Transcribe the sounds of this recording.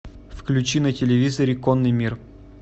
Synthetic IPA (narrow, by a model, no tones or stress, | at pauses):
fklʲʉt͡ɕinətʲɪlʲɪvʲizəɾʲɪkonːɨjmʲir